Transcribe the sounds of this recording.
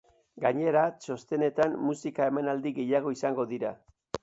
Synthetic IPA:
ɡaɲe̞ɾaso̞st̪e̞ne̞t̪anmusikae̞menald̪iɣe̞jaɣ̞o̞isaŋɡo̞ðiɾa

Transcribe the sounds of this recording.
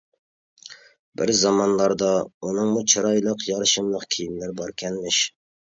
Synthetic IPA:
bɪɾzɑmɑnlˠɑɾd̪ɑunɨŋmut͡ʃʰɑɾɑjlˠəqjɑɾʃɨmlˠəqkʲʰejinlɪɾɪbɑɾkʲʰɛnmɪʃ

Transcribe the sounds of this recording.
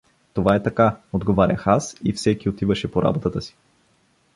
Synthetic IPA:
t̪ovaɛt̪ɐkaod̪ɡovaɾʲə̰xasifsɛkiot̪ivəʃɛpoɾa̰bot̪ət̪əsi̥

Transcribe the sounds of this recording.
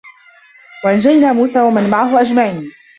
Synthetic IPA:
waʔand͡ʒalnaːmuːsaːwamanmaʕaɦʊʔad͡ʒmaʕiːn

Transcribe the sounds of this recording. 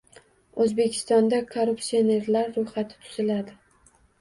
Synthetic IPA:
ɵzbe̞kʲʰɪ̥st̪ɒnd̪akʰoɾuptsione̞ɾlaɾːojχat̪ʰɪ̥t̪ʰʊ̥zɪlad̪ɪ

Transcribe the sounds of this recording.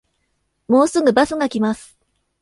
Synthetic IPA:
mo̞ːsɨɡɯ̟basɨɡakʲimasɨ̥

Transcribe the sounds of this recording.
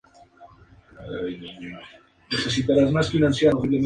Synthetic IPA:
ajniɲo | neθesit̪aɾazmasfinãnθjaɾoβiβlem

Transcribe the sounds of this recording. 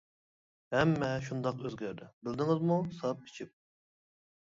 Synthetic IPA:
hɛmːɛʃ̬und̪ɑqøzɡʲæɾd̪ɪbɪld̪ɪŋɪzmusɑp̚kʲʰe̥t͡ʃʰip̚

